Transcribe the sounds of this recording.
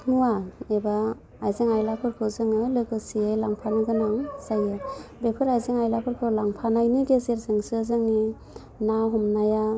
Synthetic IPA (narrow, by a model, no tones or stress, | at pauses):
nuwaebaː | jzeŋajlapʰɯɾkʰɯzɯŋɯlɯɡɯsiejlaŋpʰanɯɡɯnaŋsajɯbepʰɯɾajzeŋajlakʰɯɾkʰɯlaŋpʰanajniɡezeɾzɯŋsɯzɯŋni | nawɦɔmnaja